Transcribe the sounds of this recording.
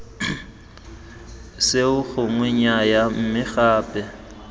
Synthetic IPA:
sɪʊɣʊŋwɪɲajam̩mɪɣaːpʼɛ

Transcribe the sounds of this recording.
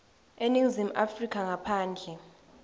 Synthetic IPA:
eniŋzim̩ʔafrikʰʼaŋapʰaːnd͡ɮʱɛ

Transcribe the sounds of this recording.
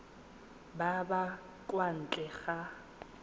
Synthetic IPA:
baba | kʼwan̩t͡ɬʼɛɣa

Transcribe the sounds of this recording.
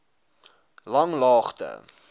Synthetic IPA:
lɐŋlɑːχtə̰

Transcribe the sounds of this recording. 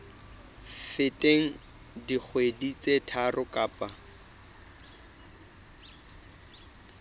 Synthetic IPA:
fɪtʼeŋ̩ | dik͡xʰwedit͡sʼetʰarʊkʼaːpʼa

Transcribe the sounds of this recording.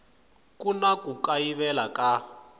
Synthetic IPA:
kunakukaiβɛlakʼa

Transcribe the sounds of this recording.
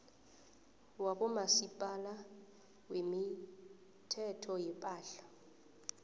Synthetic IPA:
waɓɔmasipʼala | wemi | tʰɛtʰɔjɛpʼaːɬḁ

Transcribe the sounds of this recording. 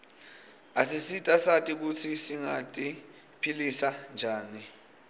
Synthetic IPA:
asisitʼasatʼik̬ut͡sʰisiŋatʼi | pʰilisand͡ʒʱaːni

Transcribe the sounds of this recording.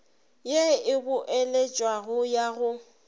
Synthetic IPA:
jeɪbʊʔelet͡ʃʼwaɣʊjaɣʊ

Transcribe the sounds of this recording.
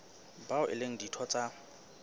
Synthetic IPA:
baʊʔɪ̰leŋ̩ditʰɔt͡sʼa

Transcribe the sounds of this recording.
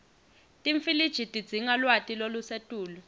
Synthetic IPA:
tʼiɱfilid̥ʒ̥ʱitʼid̥d͡z̥ʱiŋalwatʼilolusetʼuːlu

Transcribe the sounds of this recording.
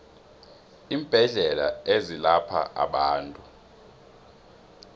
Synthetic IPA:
iːmb̥ʱɛɮɛlaezilapʰa̰ʔa̰ɓaːntʼu

